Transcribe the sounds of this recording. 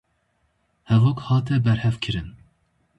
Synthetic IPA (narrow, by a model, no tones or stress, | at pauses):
hɛvoːkhɑːt̪ʰɛbɛɾhɛfkʰɨɾɨn